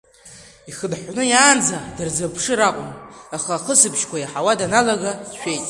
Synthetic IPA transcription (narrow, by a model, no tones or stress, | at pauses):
iχədħʷnɨjaːnd͡zadarzapʰʂɨɾaqʷʼʊmaχaːχəsɨpʰʃkʷʰajaħawadanalaɡaʃʷᶣe̞jtʼ